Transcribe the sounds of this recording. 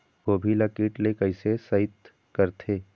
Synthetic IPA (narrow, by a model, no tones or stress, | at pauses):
ʋoːbʱilɐkiːʈlekɐɪsesɐɪt̪ | kɐɾt̪ʰeː